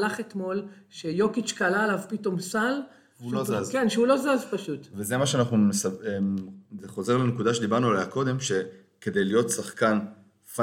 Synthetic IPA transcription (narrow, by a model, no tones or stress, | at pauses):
laχe̞t̪mo̞l | ʃejo̞kit͡ʃkalaelavpito̞msal | uloazkenʃeulo̞zazpaʃut̪vezemaʃeanaχnumesaezeχo̞ze̞ʁlenekudaʃed̪ibaʁnualajako̞d̪e̞mʃe̞ | ke̞d̪e̞jlijo̞t̪saχkan | fa